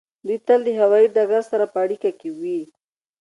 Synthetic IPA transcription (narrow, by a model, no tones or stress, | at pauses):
d̪ujt̪əld̪əɦawɑiɖaɡaɾsaɾapəaɽikakewi